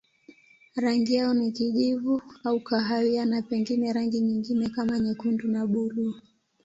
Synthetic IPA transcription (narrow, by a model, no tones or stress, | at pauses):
ɾaŋɡijaɔnikiʄivuaukaɦawianapɛŋɡinɛɾaŋɡiɲiŋɡinɛkamaɲɛkundunaɓulu